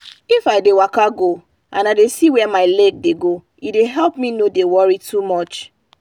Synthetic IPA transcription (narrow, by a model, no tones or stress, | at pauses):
ifaɪdewakaɡo | ʔã̰naɪdesiwɛmaɪlɛɡ̚deɡo | ideɦɛlpmĩnodewɔɹitʰumɔt͡ʃ